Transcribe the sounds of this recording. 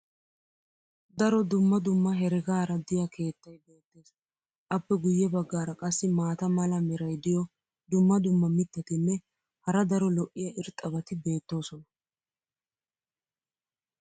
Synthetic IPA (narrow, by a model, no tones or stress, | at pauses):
d̪ɐɾɔd̪ʊmːɐd̪ʊmːɐɦɛɾɪɡaːɾɐd̪ɪjɐkʰe̞ːt̪ːɐjbe̞ːt̪ːe̞ːs | ʔɐpːɛɡʊjːɛbɐɡːaːɾɐkʼɐsːɪmaːt̪ɐmɐlɐmɪɾɐjd̪ɪjɔ | d̪ʊmːɐd̪ʊmːɐmɪt̪ːɐt̪ɪnːɛ | hɐɾɐd̪ɐɾɔlɔʔːɪjɐʔɪɾt̪ʼːɐbɐt̪ɪbe̞ːt̪ːo̞ːsɔnɐ